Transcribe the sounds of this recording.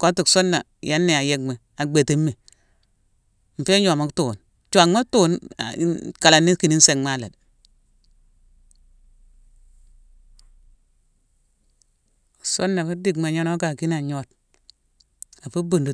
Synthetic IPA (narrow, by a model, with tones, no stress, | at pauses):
ko˦ti˨kso˦nːa˨ | ja˦nːe˦˨a˨je˦ɡme˨ | a˨ɡ͡be˨ti˦mːi˨ | m̩˨fe˦ɲo˨ma˦ktoː˨n | t͡ʃʷa˨ŋma˦toː˦na̰˨˦ka˨la˨ni˦ki˨ni˦n˦se˨ŋma˦la̰˨d | so˦nːa˨fi˦di˨ɡma˨ɲo˦no˦ka˨ki˦na˨ɲo˦t̚ | a˨fu˦bu˨ndu˨